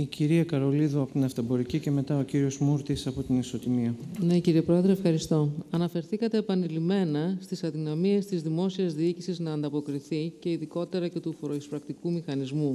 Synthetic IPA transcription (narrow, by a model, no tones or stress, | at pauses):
iciɾiɐkɐɾo̞liðuɐpot̪inɐft̪ɐbo̞ɾicice̞me̞t̪ɐo̞ciɾio̞zmuɾt̪isɐpo̞t̪iniso̞t̪imiɐne̞ciɾiepɾo̞e̞ðɾefxɐɾist̪o̞ɐnɐfe̞ɾθikɐt̪e̞ːpɐnilime̞nɐst̪isɐðinɐmie̞st̪izðimo̞siɐzðiicisiznɐːnd̪ɐpo̞kɾiθice̞iðiko̞t̪e̞ɾɐce̞t̪ufoɾoispɾɐk̚t̪ikumixɐnizmu